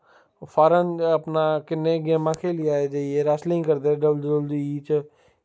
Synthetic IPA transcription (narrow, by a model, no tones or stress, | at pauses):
fʰaːɾənəpnakɪnːeɡeːmãkʰelɪaːed͡ʒeːieɾaːslĩĩkəɾd̪eɖəbldəld̪iiːt͡ʃ